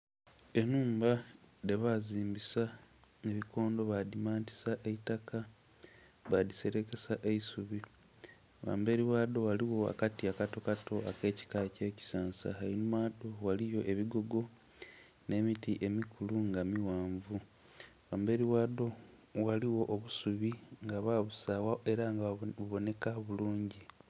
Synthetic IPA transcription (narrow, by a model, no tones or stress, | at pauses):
e̞nuːmbade̞βaziːmbisaeβikʰo̞ːndo̞βadimaːnti̥saʔeitaka | βadise̞ɾe̞ke̞saʔe̞isuβi | βa̰ːmbe̞ɾiwaːdo̞ɣaliwo̞a̰katiakato̞kato̞ake̞ːci̥kace̞ːci̥saːnsa̰hainumaːdo̞walijo̞ʔe̞βiɡo̞ɡo̞ | ne̞ːmitiʔe̞mikʰuluŋɡamiwaːɱvu | βaːmbe̞ɾiwaːdo̞ | waliwo̞ʔːβusuβiŋɡaβaβusawaʔeɾaŋɡuβo̞ne̞kaβuluːɲɟi